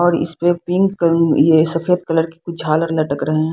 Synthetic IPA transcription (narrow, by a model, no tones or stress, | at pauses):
ɔːɾɪ̰spepɪ̃ŋɡkəjesɐfʰeːd̪kɐləɾkekʊd͡ʒʱaːləɾlɐʈəkɾɐɦeɦɛ̃ː